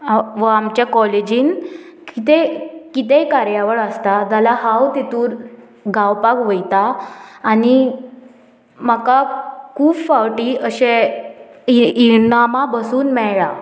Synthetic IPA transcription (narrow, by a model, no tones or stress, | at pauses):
ʋəamt͡ɕjakɔled͡ʑiːn | kit̪ekit̪̬ekaɾjaʋəɭəst̪at̪alaɦawt̪it̪uːɾ | ɡʱawpakʋəjt̪aː | ni | makakʰuːbfawʈiːəɕe | iinamabəsuːnmɛɭɭa